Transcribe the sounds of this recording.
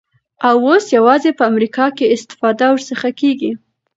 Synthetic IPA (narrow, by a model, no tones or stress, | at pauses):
awosjawɑzepəamɾikɑkeɪst̪ɪ̥fɑd̪awəɾsəxakeɡi